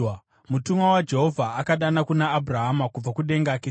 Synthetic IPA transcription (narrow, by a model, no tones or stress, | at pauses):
mutumwawad͡ʒe̞ɦo̞vʱaʔːkaɗanakunaːbʱuraɦamakub͡vakuɗe̞ŋɡake